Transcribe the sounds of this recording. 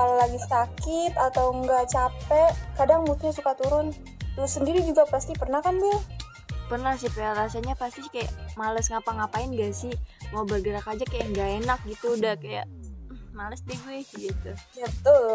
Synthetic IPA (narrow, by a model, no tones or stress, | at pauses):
kalalaɡisakɪt̪at̪awŋɡaʔt͡ʃapɛʔkadaŋmut̪ɲasukat̪uɾʊn | t̪ʊsəndiɾid͡ʒuɡapast̪ipərnahkanb | pərnahsɪhpeaɾasaɲapast̪ikajaʔmaləsŋapaŋapaɪnɡasɪhmaubərɡəɾakad͡ʒakajaŋɡaenak̚ɡit̪udahkaja̰ | maləsdiɡuɛsɪd͡ʒit̪ubət̪ʊl